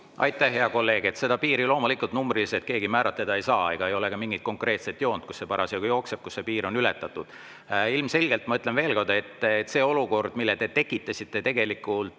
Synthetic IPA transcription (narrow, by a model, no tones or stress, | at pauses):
ʔɑ̰jt̪ːˑæhɦe̞ɑko̞lːe̞ːɡ̥e̞t̪se̞d̪ɑpiːɾilo̞ːmulikːˑult̪numbriliset̪̚ke̞ːɡimæːɾʔɑt̪ːed̪ɑejsɑːe̞ɡ̥ɑe̞jo̞le̞kɑmiŋɡit̪̚ko̞ŋkre̞ːt̪set̪ːˑjo̞ːnd̪̥̚ku̥sse̞pɑɾʔɑsɑɡujo̞ːkse̞b̥̚kusːe̞piːɾo̞nylet̪ːˑɑt̪ːˑud̪̥ | ilmse̞lɡe̞lt̪ːmɑyt̪le̞nve̞ːlko̞rd̪̥e̞t̪ːˑet̪ːse̞ːo̞luko̞rd̪̥milːet̪e̞t̪e̞kːˑit̪ːˑɑsʲit̪ːˑe̞t̪e̞ɡ̥e̞likːˑult̪